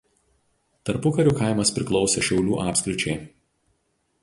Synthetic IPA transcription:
t̪ɐɾpʊkɐɾʲuːkɐˑɪmɐspʲɾʲɪklˠɒʊsʲeˑʃʲɛʊlʲṵːʔɑːpʲsʲkʲɾʲɪt͡ʃʲɛɪ

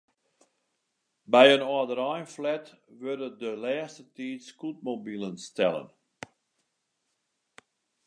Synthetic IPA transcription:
bɛjənɔədəɾɔjnflɛt | ʋødədəlɛːstətiːtskut̚mobilˠənstɛlˠə̰n

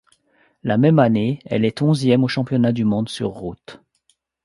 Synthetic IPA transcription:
lamɛmaneɛ̰lɛt̪ɔ̃zjɛmoʃɑ̃pjɔnad̪ymɔ̃d̪sy̰ʁːut̪

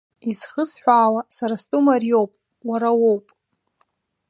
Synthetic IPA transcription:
izχəzħʷaːlasaɾastʼumarijo̞wpʼ | waɾawowpʼ

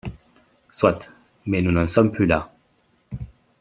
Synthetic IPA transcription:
swat̪ | mɛnunɑ̃sɔmplyla

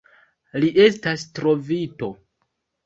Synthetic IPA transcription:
liʔe̞stastɾo̞vito̞

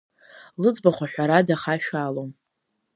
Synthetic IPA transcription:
lɨd͡zbaχʷaħʷᶣaɾadaχaʃᶣaːlom

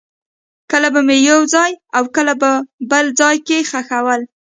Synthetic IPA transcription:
kəlabamejawzɑjawkəlabəbəld͡zɑjkexaxawəl

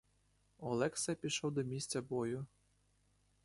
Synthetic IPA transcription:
ɔlˠɛksɛpʲiʃɔwd̪ɔmʲisʲt͡sʲɐbɔjʊ

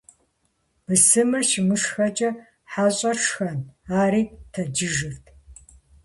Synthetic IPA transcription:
b̥ɨsɨmɐʃɪmɨʂxɐt͡ʃʼɐ | ħaːɕʼɐʂxɐnaːɾiːtʰɐd͡ʒɪʒɨrtʰ

